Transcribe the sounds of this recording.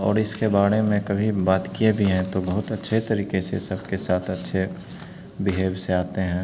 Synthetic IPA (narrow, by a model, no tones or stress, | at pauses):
ɔ̰ːɾɪskebaːɽemẽkɐbʱibaːt̪kiebʱiɦɛ̃t̪obɐɦʊt̪ɐtːʃʰet̪ɐɾiːkesḛsɐbkesaːt̪ʰɐtːʃʰe | bɪɦeːbseaːt̪eɦɛ̃ː